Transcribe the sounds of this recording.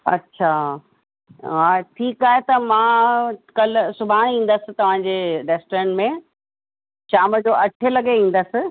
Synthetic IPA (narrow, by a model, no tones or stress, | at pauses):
ɐ̰tːɕʰa | ɦãʈʰiːkaːɦet̪ɐmãkɐlsʊbʱãĩːn̆d̪əsɪ̆t̪ɐʋ̤ãd͡ʑeɖeːsʈɾẽːnmẽ | ʃaːməd͡ʑoːʔɐʈʰelɐɡeĩːn̆d̪əsɪ̆